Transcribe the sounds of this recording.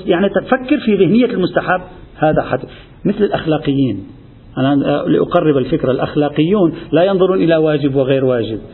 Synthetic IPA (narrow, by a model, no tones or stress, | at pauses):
jaʕnit̪at̪fakːɪɾfiðɪhnɪjːalmʊst̪aħabː | haːðaħat̪ | mɪθlɪlʔaxlaːqɪjːiːn | ʔanalḭʔʊqɑrˤːɪbɪlfɪkɾalʔaxlaːqɨjːuːnlajɑnðˤʊɾuːnʔɪlawaːd͡ʒɪbwɪɣeːɾwaːʒɪb̚